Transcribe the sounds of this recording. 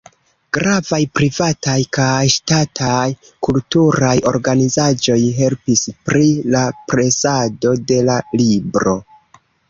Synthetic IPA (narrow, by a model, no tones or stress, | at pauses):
ɡ̥ɾavajpɾivatajkajʃtatʰaj | kultuɾajo̞̰ɾɡanizad͡ʒo̞jɦe̞lpispɾilapɾesado̞de̞lalibɾo̞